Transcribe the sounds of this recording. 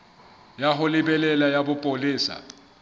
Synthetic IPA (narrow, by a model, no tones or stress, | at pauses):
jaɦʊlɪbɛlɛlajabʊpʼolɪːsa̰